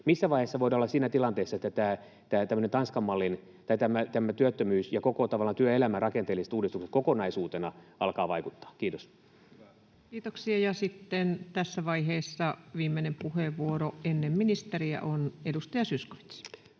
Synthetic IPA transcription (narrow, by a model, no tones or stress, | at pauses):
misːæʋɑiheˑsːɑʋoidɑolːɑsiːnæt̪ilɑnt̪eːsːɑet̪ːæt̪æː | t̪æːt̪æmːønent̪ɑnskɑmːɑlːin | t̪ɑit̪æmæt̪æmːæt̪yøt̪ːømyːsjɑkokot̪ɑʋɑlːɑnt̪yøelæmærɑkent̪eːlise̥t̪uːdist̪ukset̪kokonɑisuːt̪enɑɑlkɑːʋɑikut̪ːɑ̥ːkiːt̪os | kiːt̪oksiɑjɑsit̪ːent̪æsːæʋɑiɦeːsːɑʋiːmːenempuheʋʋuoroʔenːemminist̪eriæ̰ʔonedust̪ɑjɑsysko̥ʋi̥t̪s